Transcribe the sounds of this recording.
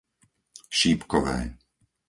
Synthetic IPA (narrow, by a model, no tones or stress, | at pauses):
ʃiːpkɔʋɛ̰ː